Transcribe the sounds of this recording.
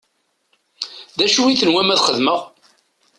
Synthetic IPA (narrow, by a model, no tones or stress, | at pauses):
ðæʃwiθənwæmæðχəðməʁ